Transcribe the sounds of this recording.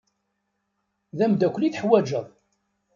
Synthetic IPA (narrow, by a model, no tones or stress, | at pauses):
ðæmd̪ækʷːliθħwæd͡ʒəðˤ